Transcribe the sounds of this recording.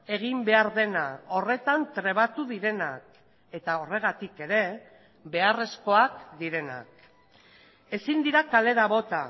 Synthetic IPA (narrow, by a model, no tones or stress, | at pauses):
e̞ɣ̞imbe̞aɾðe̞nao̞re̞t̪ant̪ɾe̞β̞at̪uðiɾe̞nak̚ | e̞t̪ao̞re̞ɣ̞at̪ike̞ɾe̞ | βe̞are̞sko̞ak̚d̪iɾe̞na̰k̚ | e̞sind̪iɾakale̞ɾaβo̞t̪a